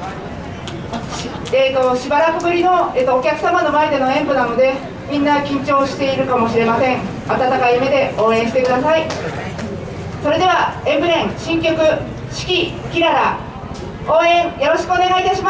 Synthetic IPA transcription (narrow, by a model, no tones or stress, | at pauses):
eːt̪o̞ɕibaɾakɯbɯ̟ɾʲino̞et̪ːoːkʲakɯ̟samano̞mae̞d̪e̞no̞ẽ̞mbɯnano̞d̪e̞ | mʲĩnːakʲĩɲt͡ɕo̞ːɕi̥t̪e̞iɾɯ̟kamo̞ɕiɾe̞masẽ̞ŋ | at̪at̪akaime̞d̪e̞ʔo̞ːẽ̞ɕi̥t̪e̞kɯ̟d̪asai | so̞ɾe̞d̪e̞β̞aẽ̞mbɯ̟ɾẽ̞ɰ̃ɕĩŋkʲo̞kɯ̟ | ɕi̥kʲikʲiɾaɾa | o̞ːẽ̞ɰjo̞ɾo̞ɕi̥kɯone̞ɡait̪aɕima